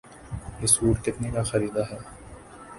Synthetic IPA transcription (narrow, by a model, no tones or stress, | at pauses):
ɪsuːɾkɪt̪nekaxɐɾiːd̪aɦɛː